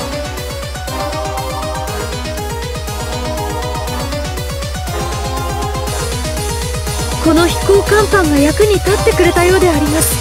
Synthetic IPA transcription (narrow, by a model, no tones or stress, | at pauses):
ko̞no̞çi̥ko̞ːkãmkãŋɡajakɯ̟ɲ̟it̪at̪ːe̞kɯ̟ɾe̞t̪ajo̞ːd̪e̞aɾʲimasɨ̥